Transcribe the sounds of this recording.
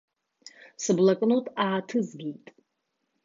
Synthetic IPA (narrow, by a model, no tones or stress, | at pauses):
sɨblakʼnotʼaːtʰɨzɡʲejtʼ